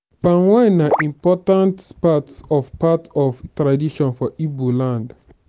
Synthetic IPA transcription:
pãnwãnaʔĩmpɔtãntpatsɔvpatɔvtɹadiʃɔ̃nfɔʔibolãnd

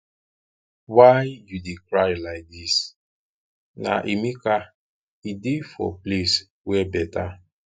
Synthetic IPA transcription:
wajjudekɾajlaɪk̚dis | na̰ʔimika | idefɔ̰ples | wɛbɛta

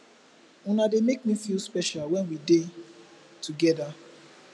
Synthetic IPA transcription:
ũnademek̚mĩfilspɛʃalwɛ̃nwide | tʰuɡɛda

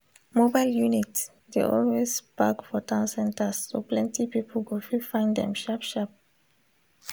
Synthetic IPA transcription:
mobaɪljunit | dḛʔɔlwespakfɔtʰãʊ̃nsɛ̃ntəsːoplɛ̃ntipipəl̩ɡofifãɪ̃ndɛ̰̃mʃapʃap̚

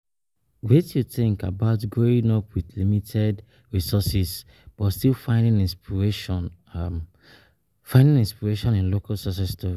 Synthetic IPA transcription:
wetjuθɪ̃ŋkabaʊtɡɹoĩŋɔpwiðlimitʰɛd | ɹisɔsis | b̥ɔtstilfãɪ̃ndĩnĩnspiɹeʃɔ̃n | fãɪ̃ndĩŋĩnspiɹeʃɔ̃nĩnlokalsɔs̬ɛstʰɔi

